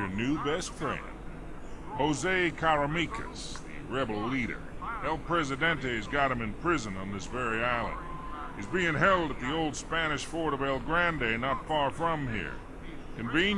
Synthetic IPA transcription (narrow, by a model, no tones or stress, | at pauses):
ə˞nʉbɛstfɹɛ̰̃nd̥̚ | hoʊzeɪkʰæɹɨmikʰɨ̰s | ðɨ̰ɹɛbl̩ˠliɾə̰˞ɛlˠpʰɹ̥ɛzɨdɛ̃ntɨɨzɡɑt̚hɨ̃mɨ̃npʰɹ̥ɪzɨ̃nə̃nðɪsvɛɹiaɪlˠə̰̃nd̥̚ | hizbiɪ̃ŋɦɛlˠdət̪̚ðioʊlˠd̥spæñɨʃfɔɹɾəvɛɪlˠɡɹæ̃ndeɪnətfɑɹfɹʌ̃mɦḭɹ | kɨ̃ɱvĩn